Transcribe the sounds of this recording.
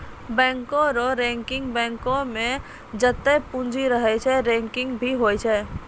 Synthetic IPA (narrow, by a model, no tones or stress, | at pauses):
bɛ̃ŋkõɾɔɾɛ̃ŋkɪŋɡbɛ̃ŋkõmẽ | d͡ʒət̪ːɛpũnd͡ʒʱiɾəɦɛt͡ʃʰɛɾɛ̃ŋkɪ̃ŋɡbʱiɦojt͡ʃʰɛ